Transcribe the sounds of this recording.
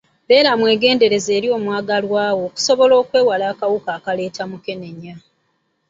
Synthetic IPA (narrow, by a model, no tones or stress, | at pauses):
βe̞ːɾamwe̞ːɡe̞ːnde̞ɾe̞ze̞ːɾio̞ːmwaːɡalwaːwo̞ːku̥so̞βo̞lo̞ːkwe̞ːwalaːkawukaːkale̞ːtʰamuke̞ne̞ɲːa